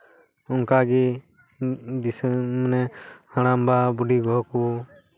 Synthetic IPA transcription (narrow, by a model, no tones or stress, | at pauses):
ɔŋkaɡi | d̪ismnɛaɽ̃ambabuɖiɡɔɦɔku